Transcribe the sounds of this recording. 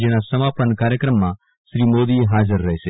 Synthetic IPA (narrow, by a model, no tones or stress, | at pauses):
d͡ʒenasəmaːpənkaːɾjəkɾəmːã | ʃɾimoːd̪iɦaːd͡ʒəɾːɐɦeʃe